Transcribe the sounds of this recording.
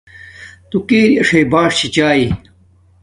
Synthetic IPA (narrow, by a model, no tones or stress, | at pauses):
t̪ukeːɾiɐʂejbaːʂt͡ɕʰit͡ɕaːi